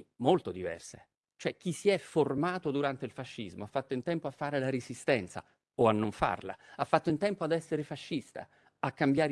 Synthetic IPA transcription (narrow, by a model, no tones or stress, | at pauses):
molt̪od̪ivɛ̰rse | t͡ʃoɛk̟ːisiɛfːormaːt̪od̪uɾant̪eilfaʃːizmoafːat̪ːoint̪ɛmpoafːaːɾelaɾezist̪ɛnt̪sa̰ | oanːoɱfa̰rla̰afːat̪ːoint̪ɛmpoad̪ɛsːeɾefaʃːist̪a̰ | akːambjaːɾ